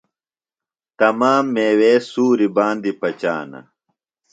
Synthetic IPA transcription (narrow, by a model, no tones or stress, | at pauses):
t̪ɐmaːmːeːweːsuːɾibaːnd̪ipɐt͡ɕa̰ːnɐ̰